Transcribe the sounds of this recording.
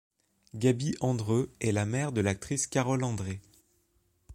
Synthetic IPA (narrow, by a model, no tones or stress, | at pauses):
ɡabiʔɑ̃d̪ʁøɛlamɛʁd̪əlak̚t̪χiskʲaʁɔlɑ̃d̪ʁe